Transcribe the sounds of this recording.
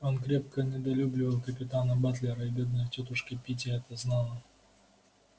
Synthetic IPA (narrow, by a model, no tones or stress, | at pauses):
o̞nkɾʲe̞p̚kənʲɪd̪ɐlʲublʲɪvəlˠkəpʲɪt̪anəbat̪lʲɪɾəɪbʲed̪̚nəjtʲot̪ʊʂkʲɪpʲit̬ʲɪɛt̪əznalˠə